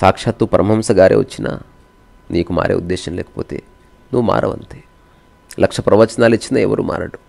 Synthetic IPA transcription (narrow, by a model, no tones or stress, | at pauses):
saːkʂaːt̪upɐɾɐmɐmsɐɡaːɾeːʋɐ̰t͡ʃːinʔa̰ː | nʔiːkuma̰ːɾḛud̪ːeːʃɐnlɛːkɐ̥poːt̪ḛː | nuːʋuma̰ːɾɐʋɐnt̪eː | lɐkʂɐpɾɐʋɐt͡ʃɐnaːlit͡ʃːinaɛʋɐɾuːmaːɾɐɽu̥